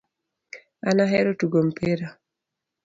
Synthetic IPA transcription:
anaɦɛɾotuɡompʰeɾa

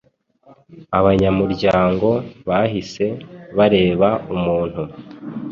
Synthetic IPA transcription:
aβaɲamuɾɟaːŋɡo̞βaɦise̞βaɾe̞ːβaumuːn̥hu

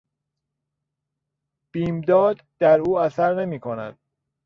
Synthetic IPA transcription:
b̥iːmd̪ɒːd̪d̪̥æɾuːæsæɾne̞miːkʰonæ̰d̪̥̚

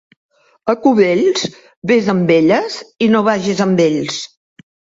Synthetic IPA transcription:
əkuβeʎz̥ | βezəmbeʎəzinoβaʒizəmbeʎs

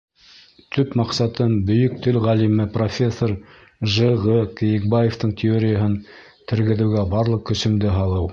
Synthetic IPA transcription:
t̪ʰɵpmɑqsɑt̪ɤmbɵ̆jɵk̚t̪ʰɵlʁælimɘprofʲe̞sːoɾ | ʒəʁɤkɘ̆jɘ̆k̚bajeft̪ɤɴt̪ʲɪoɾʲɪjəɦɤn | t̪ʰɘ̆ɾɡɘ̆ðɘ̆wɡæbɑɾlˠɤq̚kːɵ̆sɵ̆md̪ɘɦɑlˠɤw

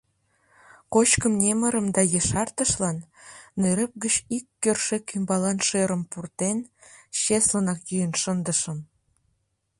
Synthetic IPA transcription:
kot͡ɕkəmnʲeməɾəmd̪ɑjeʃɑrt̪əʃlɑnːøɾə̆p̚ɡət͡ɕikːørʃekːymbɑlɑnʃeɾəmpurt̪enɕeslənɑkjyjənʃənd̪əʃəm

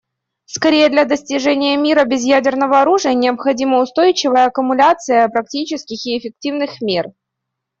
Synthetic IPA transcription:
skɐɾʲejəd̪lʲɐd̪əsʲtʲɪʐɛnʲɪjəmʲiɾəbʲɪzjædʲɪrnəvəɐɾuʐɨjənʲɪəpxɐdʲiməʊst̪o̞jt͡ɕɪvəjəɐkʊmʊlʲat̪sɨjəpɾɐk̚tʲit͡ɕɪskʲɪxɪːfʲɪk̚tʲivnɨxmʲer

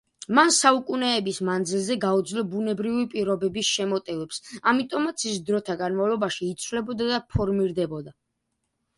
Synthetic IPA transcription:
mansaukʼunɛːbismand̪zilˠzɛɡaud̪zlɔbunɛbɾivipʼiɾɔbɛbisʃɛmɔt̪ʼɛvɛpsamit̪ʼɔmat̪sʰisd̪ɾɔt̪ʰaɡanmavlˠɔbaʃiːt̪sʰvlɛbɔd̪ad̪apʰɔɾmiɾd̪ɛbɔd̪a

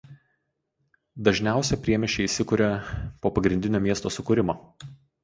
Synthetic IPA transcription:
d̪ɐʒʲnʲæˑʊsʲɛpʲɾʲiɛmʲɛʃʲɛiːsʲɪkʊɾʲɛpoːpɐɡɾʲɪnʲd̪ʲɪnʲoːmʲiɛst̪oːsʊkʊɾʲɪmoː

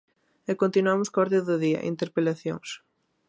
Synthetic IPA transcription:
ekont̪inwamʊskɔɾðɪðʊðiɐ̰ʔḭnt̪eɾpelaθjo̰ŋs

